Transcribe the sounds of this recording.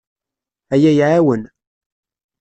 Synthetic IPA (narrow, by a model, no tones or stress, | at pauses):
æjæjʕawən